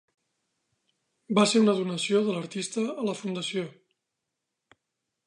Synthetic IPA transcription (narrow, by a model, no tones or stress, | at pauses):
baseɾunəðunəsioðələɾt̪ist̪əːləfund̪əsio